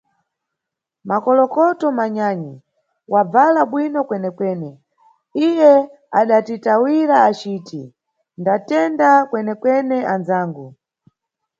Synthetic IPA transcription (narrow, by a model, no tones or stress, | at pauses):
makɔlɔkɔtɔmaɲaɲi | wab͡valaɓwinɔkwɛnɛkwɛːnɛ | ijɛ | aɗatitawiɾaːt͡ʃiːtʰi | ndatɛndakwɛnɛkwɛnɛʔand͡zaːŋɡu